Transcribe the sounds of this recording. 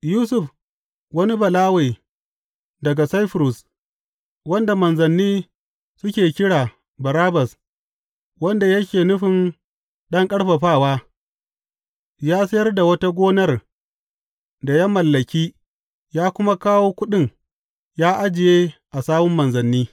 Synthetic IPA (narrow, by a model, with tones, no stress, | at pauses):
juː˦sʊ˨ɸ | wɐ˦ni˦bɐ˨laː˦we˨ | dɐ˨ɡa˨sa˦jɸɾʊ˨s | wɐ˦nda˨mɐ˨nzɐ˨nːiː˦ | sʊ˦kʲeː˨kʲɪ˦ɽaː˨ | bɐ˨ɾaː˦bɐ˨s | wɐ˦nda˨jɐ˦kʲeː˨nʊ˦ɸɪ˨n | ɗɐ˦ŋkʼɐ˦ɽɸɐ˨ɸaː˦˨waː˦ | jaː˦sɐ˦jɐ˦rda˨wɐ˦ta˦ɡʷoː˦nɐ˦r | da˨ja˦mɐ˨lːɐ˨kʲiː˦ | jaː˦kʷʊ˦ma˦kaː˦woː˦kʷʊ˦ɗɪ˦˨ŋ | jaː˦ʔa˦d͡ʒɪ˨jeː˦ʔa˨saː˦mʊ˦mːɐ˨nzɐ˨nːiː˦